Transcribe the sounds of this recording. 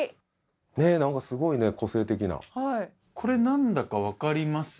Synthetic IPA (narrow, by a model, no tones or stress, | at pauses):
ne̞nãŋkasɨɡo̞ine̞ko̞se̞ːt̪e̞k̬ʲina̰hai | kʰo̞ɾe̞nãnd̪akaβakaɾʲimasɨ̥